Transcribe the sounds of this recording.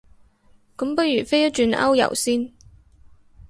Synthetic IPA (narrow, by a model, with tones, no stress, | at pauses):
kɐ˨˥mpɐ˥jyː˨˩fe˥jɐ˥t͡ʃyː˧nʔɐ̰˥wjɐ̰˨˩wsiː˥n